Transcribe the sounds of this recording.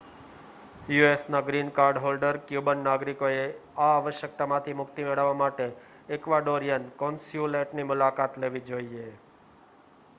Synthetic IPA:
juesnaɡɾinkaɾɖɦolɖəɾkjubənːaɡɾikoeaːʋəʃjək̚t̪amãt̪ʰimʊkt̪imeɭəʋːamaʈeː | kʋaɖoɾijənkɔ̃nsjuleʈnimʊlakat̪leʋid͡ʒoie

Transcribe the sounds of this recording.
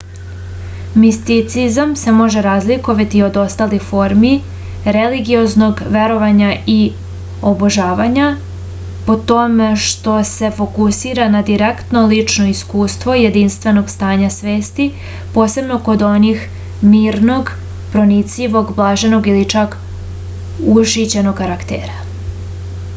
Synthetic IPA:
mist̪it̪sizamse̞mo̞ʒe̞ɾaːzlikoʋat̪io̞d̪o̞st̪aːlixfo̞ɾmi | ɾeliɡio̞zno̞ɡʋe̞ɾo̞ʋaɲai | oboʒaːʋaɲa | po̞t̪omeʃt̪o̞se̞fo̞kusiːɾanad̪iɾekt̪no̞lit͡ʂno̞iskuːst̪ʋo̞jed̪inst̪ʋe̞no̞ɡst̪aːɲasʋeːst̪i | po̞ːse̞bno̞ko̞d̪o̞nix | miːɾno̞ɡ | pɾo̞nit̪siʋo̞ɡblˠaːʒe̞no̞ɡilit͡ʂak | uʃit͡ɕeno̞ɡːaɾakt̪ḛːɾa

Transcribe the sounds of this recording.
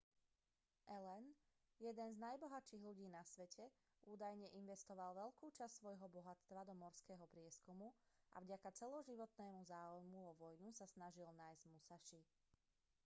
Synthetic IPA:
ʔɛlɛn | jɛd̪ɛnznajbɔɦat͡ʃiːɣʎuɟiːnasʋɛcɛ | ʔuːd̪ajɲɛʔinʋɛst̪ɔʋalʋɛʎkuːt͡ʃastsʋɔjɦɔbɔɦat͡st̪ʋad̪ɔmɔɾskɛːɦɔpɾɪɛskumua̰vɟakat͡sɛlɔʒiʋɔt̪nɛːmuzaːujmuɔʋɔjnusasnaʒilnaːjzɟmusaʃi

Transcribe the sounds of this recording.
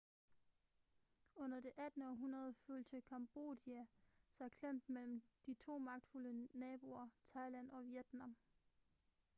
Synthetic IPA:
ɔ̽n̰ɐd̥e̝ʔæd̥nəɒ̽ɦunɐð̞ˠəføːlsʰəkʰɑ̈mb̥o̝̰d̥iæsɑ̈ɪkʰlem̰d̥mel̰m̩d̥it͡sʰo̝̰ːmɑ̈ɡ̥̚d̥fulənɛːb̥o̝ɐt͡sʰɑ̈ɪlæn̰ɒ̽ʋjed̥nɑ̈m

